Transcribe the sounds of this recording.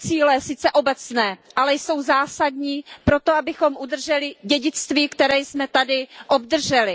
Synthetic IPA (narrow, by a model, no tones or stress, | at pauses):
t͡siːlɛsɪt͡sɛʔo̞bɛt͡snɛːʔalɛjso̞wzaːsadɲiːpɾo̞t̪oabɪxo̞mʔud̪r̩ʒɛlɪɟɛɟɪt͡st̪viːkt̪ɛɾɛːjsmɛt̪adɪʔo̞b̚d̪r̩ʒɛlɪ